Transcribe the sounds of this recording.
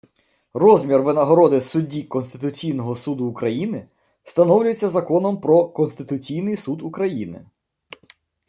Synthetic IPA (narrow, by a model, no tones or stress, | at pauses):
rɔzʲmʲirʋɪnɐɦɔɾɔd̪ɪsʊdʲːikɔnst̪ɪt̪ʊt͡sʲijnɔɦɔsud̪ʊːkɾɐjinɪ | st̪ɐnɔwlʲʊjet͡sʲːɐzɐkɔnɔmpɾɔkɔnst̪ɪt̪ʊt͡sʲijnɪjsud̪ukɾɐjinɪ̰